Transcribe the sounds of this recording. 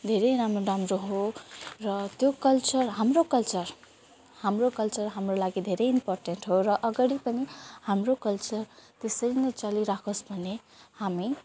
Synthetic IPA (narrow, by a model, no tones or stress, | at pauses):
d̪ʱeɾʌjɾamoɖamɾoɦorʌt̪jokʌlt͡sʌrɦamrokʌlt͡sʌr | hamrokʌlt͡sʌrɦamrolaɡid̪ʱeɾʌjimporʈenʈɦorʌʔʌɡʌɽipʌnihamrokʌlt͡sʌrt̪esʌɾinʌjt͡sʌliɾakʰosbʱʌnːe | hami